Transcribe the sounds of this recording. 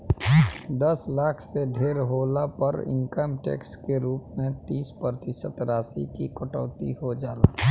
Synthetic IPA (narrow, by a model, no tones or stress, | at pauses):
d̪ɐslaːkʰseɖʱeːɾɦoːlapəɾɪ̰̃ŋkəmʈḛːkskeɾuːpmẽt̪iːspɾət̪ɪʃət̪ɾaːsḭkikʊʈɔ̰ːt̪ḭɦod͡ʒaːlaː